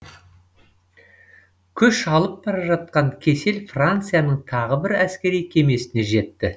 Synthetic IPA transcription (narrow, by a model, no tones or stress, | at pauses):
kʲʰʏʃɑlˠəp̚bɑɾɑʒɑt̪̚qɑɴkʲʰe̞se̞lfrant̪sɨjanəɴt̪ʰɑʁəbɪɾæskʲe̞ɾijkʲʰe̞me̞sɪne̞ʒe̞t̪ːɪ